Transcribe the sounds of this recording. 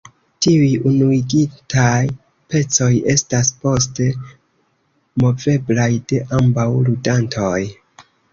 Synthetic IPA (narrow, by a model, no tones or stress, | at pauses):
tiujunuiɡitaj | pe̞t͡so̞je̞staspo̞ste | mo̞ve̞blajde̞ʔambawludantʰo̞j